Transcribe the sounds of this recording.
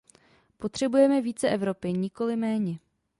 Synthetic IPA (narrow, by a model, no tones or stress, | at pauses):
po̞t̪r̝̥ɛbujɛmɛviːt͡sɛʔɛvɾo̞pɪɲɪko̞lɪmɛːɲɛ